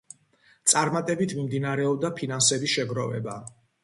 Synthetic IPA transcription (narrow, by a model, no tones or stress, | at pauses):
t̪sʼaɾmat̪ʼɛbit̪ʰmimd̪inaɾɛɔb̚d̪apʰinansɛbisʃɛɡɾɔvɛ̰ba